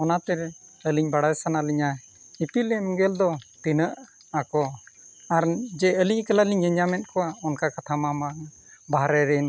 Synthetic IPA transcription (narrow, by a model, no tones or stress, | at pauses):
ɔnat̪ɛɾɛəliɲbaɽajsanaliɲa | ipilɛmɡɛld̪ɔt̪inəʔ | akɔaɾd͡ʒɛəliɲkəlaliɲəɲamɛnt̪̚kɔwaɔnkakat̪ʰamama | baɦɾɛɾɛn